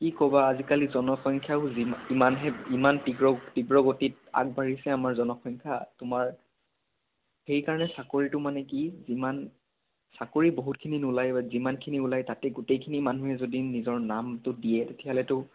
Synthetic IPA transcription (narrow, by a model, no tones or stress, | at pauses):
kikɔbaːzikalizɔnɔxɔŋkʰjaʊzimimanɦɛimantiɡɹɔtiɡɹɔɡotit̚a̰k̚bʱaɹisɛamaɹzɔnɔxʰɔjŋkʰatʊmaɹ | xejkaɹɔnɛsakoɹitʊmanɛkiziman | sakoɹiboɦut̚kʰininulajbazimankʰiniulajtatɛɡutejkʰinimanuɦɛzodinizɔɹnamtʊdijɛtetʰialɛtʊ